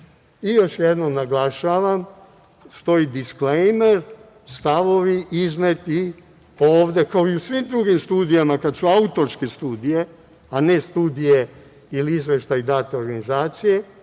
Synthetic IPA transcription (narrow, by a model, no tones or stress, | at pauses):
ijo̞ʃjed̪no̞mnaɡlˠaʃaːʋam | st̪o̞id̪isklejmeɾ | st̪aʋo̞ʋiʔiznet̪i | oːʋd̪e̞kaoiusʋimd̪ɾuɡimst̪uːd̪ijamakad̪suaut̪o̞ɾske̞st̪uːd̪ije | anest̪uːd̪ije | iliizʋe̞ʃt̪aid̪aːt̪eoɾɡanizaːt̪sije̞